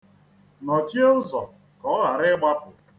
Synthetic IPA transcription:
nɔ˨t͡ʃi˦ʊ˦zɔ˨ | kɔ˦ɦa˨ɾɪ˦ɡ͡ba˦pʊ˨

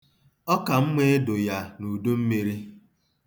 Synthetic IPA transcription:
ɔ˦ka˨m̩˦me˦do˨ja˦nu˨do˦m̩˦mi˨ɾi˦

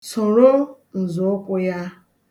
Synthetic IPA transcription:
sʊ˨ɾʊ˦ | n̩˨zʊ˨˦kʷʊ˦ja˦

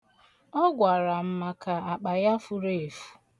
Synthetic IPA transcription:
ɔ˦ɡʷa˨ɾa˨m̩˦ma˦ka˨a˨k͡pa˨ja˦fu˦ɾe˦e˨fu̥˨

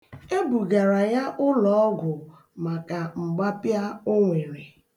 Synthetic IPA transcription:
e˦bu˨ɡa˨ɾa˨ja˦ʔʊ˦lɔ˨ɔ˦ɡʷʊ˨ | ma˨ka˨ŋ͡m̩˨ɡ͡ba˦pja˦o˦ŋʷe˨ɾe˨

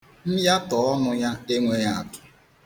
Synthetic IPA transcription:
m̩˦ja˦tɔ˨ɔ˦nʊ˦ja˦e˦ŋʷe˦ja˨a˨tʊ̥˨

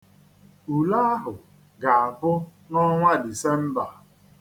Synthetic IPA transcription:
u˨la˦a˦ɦʊ˨ | ɡa˨a˨bʊ˦ | nɔ˦ŋʷa˦di˨se˦m̩˦ba˨

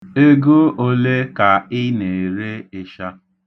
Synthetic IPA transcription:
e˦ɡo˦o˦le˦ka˨ɪ˦ne˨ɾe˦ɪ˦ʃa˦

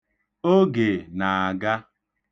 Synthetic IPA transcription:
o˦ɡe˨na˨a˨ɡa˦

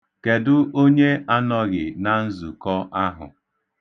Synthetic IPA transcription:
ke˨dʊ˦ʔo˦ɲe˦a˦nɔ˦ɣɪ˨na˦n̩˦zu˨kɔ˦ʔa˦ɦʊ̰˨

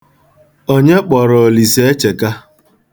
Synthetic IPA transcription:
o˦ɲe˦k͡pɔ˨ɾo˨li˨se˦e˦t͡ʃe˨ka˦

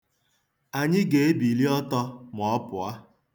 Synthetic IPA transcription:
a˨ɲɪ˦ɡe˨e˦bi˨li˦ɔ˦tɔ˧m˨ɔ˨˦pʊ˨a˦

